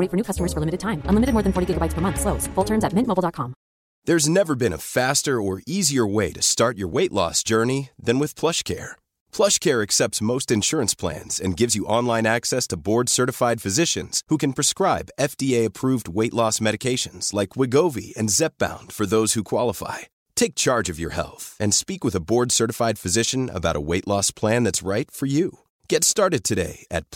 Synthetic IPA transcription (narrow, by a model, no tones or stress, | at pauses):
ɾifə˞nukʰʌstəmə˞z̥fə˞lɪ̃mɨɾɨd̚tʰãɪ̃mə̃nlɪmɨɾɨd̚mɔɹðɨ̃nfɔɹɾiɡɪɡəbaɪtspʰə˞mʌ̃nθsloʊz̥fʊlˠtʰɜ̃˞nzɨt̚mɪ̃ntmoʊbl̩ˠdɑt̚kʰɑ̃m | ðə˞znɛvə˞bɨ̃ñə̰fæstə˞ə˞iziə˞weɪɾɨstɑɹt͡ʃə̰˞weɪʔˡlɔ̰sd̥ʒ̥ɜ˞niðɨ̃nwɨð̥pʰl̥ʌʃkʰɛ̰ɹ | pʰl̥ʌʃkʰɛɹɨksɛp̚tsmoʊstɨ̃nʃʊɹɨ̃nspʰl̥æ̰̃nz̥ɨ̰̃nɡɪvzjɨʔɑ̃nlˠãɪ̃næksɛstʰəbɔɹdsɜ˞ɾɨfaɪd̥fɨzɪʃɨ̃nz̥hukɨ̃n̩pʰɹ̥ɨskɹaɪbɛfd̥ieɪɨpʰɹ̥uvd̚weɪʔlɔsmɛɾɨkʰeɪʃɨ̃nz̥laɪkwɪɡoʊvḭɨ̰̃nzɛp̚b̥ã̰ʊ̃nd̥fə˞ðoʊz̥hukʰw̥ɑlˠəfa̰ɪ | tʰeɪk̚t͡ʃʰɑɹd͡ʒʌvjə̰˞hɛ̰lˠθɨ̃nspikwɨðəbɔɹdsɜ˞ɾɨfaɪd̥fɨzɪʃɨ̃nə̰baʊɾə̰weɪʔˡlɔspʰl̥æ̃nðɨtsɹaɪtfə˞jʉ | ɡ̥ɛtstɑɹɾɨd̚tʰɨɾeɪɨt̚